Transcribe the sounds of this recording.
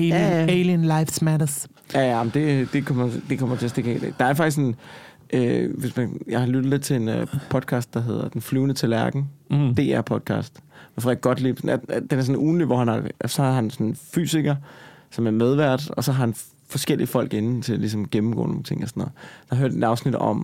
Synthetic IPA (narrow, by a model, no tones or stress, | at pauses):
ejeliənlaɪfsmæɾɐs | jæjæɑm̩d̥e̝d̥e̝kʰɒm̰ɐd̥e̝kʰɒ̽m̰ɐt͡sʰe̝æɐsd̥eɡɛ̰ːlḛɡ̥̚d̥ɑ̈ɐfɑɡ̥isksn | ʔøʋe̝smænjɑ̈ɪhɑlyd̥ð̩ˠle̝d̥̚t͡sʰe̝le̝npʰɒ̽d̥̚kʰɑ̈ːsd̥ɑ̈ɦe̝ð̞̰ˠɐd̥enflyːʊnət͡sʰelæɐɡ̥n̩d̥e̝̰ːæɐ̰pʰɒ̽d̥kʰɑ̰̈ːsd̥fʁɑe̝d̥̚ɡ̥ɒ̽d̥lḭːʊsɔnæd̥enæɐs̬ɔ̽nuːn̩liʋɒhænɑsɒ̽hɑ̈ɦænsɒ̽nfy̰ːsiɡ̥ɐsɒ̽mæɐmeð̞ˠʋæɐ̰d̥ɒ̽sɒɦɑ̈hæn | fɒ̽sɡ̥el̰iəfɒ̽l̰ɡ̥e̝nn̩t͡sʰe̝lælis̬ɒ̽mɡ̥emm̩ɡɔ̰ːno̝ːŋt͡sʰe̝ŋɒsɔ̥nːɔ̽ːð̩ˠd̥ɑhɦøɐd̥e̝d̥ɑ̈ʊsnid̥ɒ̽m